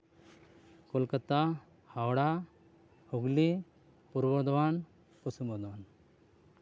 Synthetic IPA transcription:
kolkət̪a | hawɽa | huɡli | puɾbɔd̪wan | pɔsimɔd̪ʋan

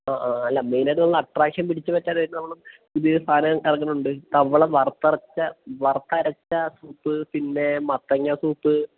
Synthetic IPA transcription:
aːʔaːɐlːaːmejnɐɾɐlːɐʈraːkʂɐnpiɽit͡ɕːɨpɐtːaːɾɐjnːɐnɐmːɐɭum | ud̪iɾust̪ʰaːnɐɣɐmɐrɐkːɐnːuɳɖɨt̪ɐʋɐɭɐʋɐrt̪ːɐrɐt͡ɕːɐʋɐrt̪ːɐɾɐt͡ɕːɐsuːpːɨpinːe̞mɐt̪ːɐŋːɐsuːpːɨ

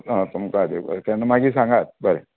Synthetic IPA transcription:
ɦãt̪umkad̪ḛt̪anamaɡiːs̬ãŋɡat̪̚bəɾe

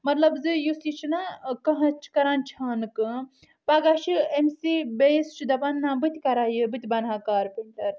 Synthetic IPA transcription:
mɐt̪lɐbzɨjusit͡ʃʰinakɐɦɐ̃t͡ʃʰkɐɾaːnt͡ʃʰaːnɨkɨ | paːɡaːʃiemsibest͡ʃʰid̪ɐbanːãːbɨt̪ʲkɐɾaːjɨbɨt̪ʲbɐnɦaːkaːɾpenʲʈ̪ɐɾ

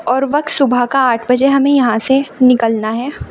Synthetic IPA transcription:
ɔːɾʋɐk̚t̪sʊbʱakaaːʈʰbɐd͡ʒeɦɐmẽjɐɦãsenɪkəlnaɦɛː

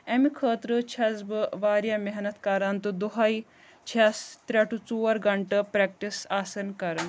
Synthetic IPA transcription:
emikʰəːt̪ɾɨt͡ʃʰɐzbɨʋaːɾjameɦnɐt̪kɐɾɐnt̪ud̪uɦaːi | t͡ʃʰɛst̪ɾʲɐʈʰut͡suːɐɾɡɐɳʈɨpɾek̚ʈisaːsɐɾnkɐɾɐn

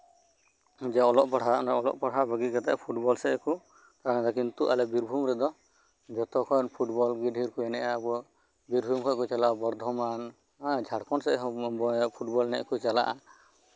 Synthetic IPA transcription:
d͡ʒɛɔlɔʔpaɽanaɔlɔ̰ʔpaɽabʱəɡikat̪a̰ʔpʰuʈbɔlsɛɛku | t̪aɾaŋad̪ɔkint̪uʔalɛbiɾbʱumɾɛd̪ɔ | d͡ʒɔt̪ɔkʰɔjnpʰuʈbɔlɡiɖʱiɾkuɛnɛʔabɔ | biɾbʱumkʰɔkut͡ʃalabɔɾd̪ʱɔman | ad͡ʒʱaɽkɔnsɛɛɦbɔpʰuʈbɔlnɛ̰ʔkut͡ʃala̰ʔa

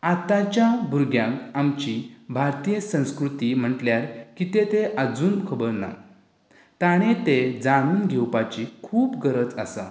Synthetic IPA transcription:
at̪at͡ɕjabʱuɾɡjãŋkamt͡ɕibʱaɾt̪ijəsə̃w̃skɾut̪im̤əʈljaɾkit̪et̪eʔəd͡zuːnkʰəbəɾna̰ | t̪aɽ̃et̪ed͡zaɽ̃uːnɡʱewpat͡ɕikʰuːpɡəɾət͡sa̰sa̰

